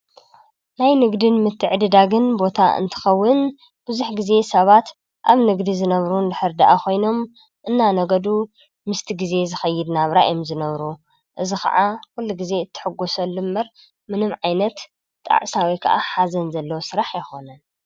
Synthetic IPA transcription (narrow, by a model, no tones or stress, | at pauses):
najnɨɡd̪ɨnmɨt̪ʰːɨʕd̪ɨd̪aɡɨnbo̞t̪ʰa̰ɨ̰nt̪ʰɨ̥xɐwːɨn | b̥ɨzuħɡize̞sɐβat̪ | ʔaβnɨɡd̪izɨnɐβɾund̪ɨħɨɾd̪aʔakʰo̞jno̞m | ʔɨnːanɐɡɐd̪u | mɨst̪ʰiɡize̞zɨxɐjːɨd̪naβɾaʔjomzɨnɐβɾu | ʔɨzixɐ̰ʕakulːuɡize̞ɨt̪ʰːɨ̥ħɨɡːosɐlːɨmbɐɾ | mɨnɨmʕajnɐt̪ːʼ | a̰ʕsawijkʰɐ̰ʔaħazɐnzɐlːɐwosɨɾaħjɪxo̞nɐn